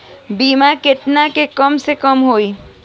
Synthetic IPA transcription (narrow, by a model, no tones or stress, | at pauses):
biːmakɪʈnakekəmsekəmɦoːi